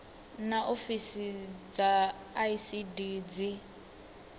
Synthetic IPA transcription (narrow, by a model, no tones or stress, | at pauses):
naʔofisid͡zaː | isidid͡zi